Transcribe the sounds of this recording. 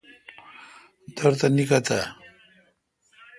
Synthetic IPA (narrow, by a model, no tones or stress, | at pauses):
d̪əɾt̪anikat̪a